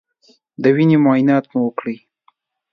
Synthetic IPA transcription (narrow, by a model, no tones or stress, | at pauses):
d̪əwinemʊɑjɪnɑt̪muwəkɽəj